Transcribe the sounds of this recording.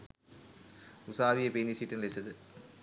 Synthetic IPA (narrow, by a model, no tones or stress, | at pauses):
ʊsaːʋijɐpenisiʈːɐnlesɐðɯ